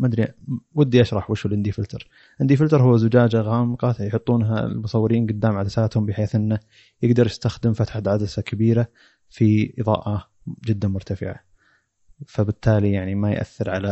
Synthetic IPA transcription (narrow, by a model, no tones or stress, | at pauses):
mad̪ɾiwad̪ːiʔaʃɾˤɑħwɪʃulʔɪnd̪ifɪlt̪ɑɾˤ | ʔɪnd̪ifɪlt̪ɑɾhʊwːazʊd͡ʒaːd͡ʒaɣaːmqɑjħʊt̪ˤːuːnɦa̰lmʊsˤɑwːɪɾiːnɡʊd̪ːaːmʕad̪asaːt̪hʊmbɪħeːθʔɪnːa | jɪɡd̪ɑɾˤjɪst̪axd̪ɪmfat̪ħat̪ʕad̪asakʰabiːɾa | fiʔɨðˤɑ̰ːʔɑ | d͡ʒɪd̪ːamʊɾt̪afɪ̰ʕa̰ | fabɪt̪ʰːaːlijaʕnimajʔa̰θːɪɾʕala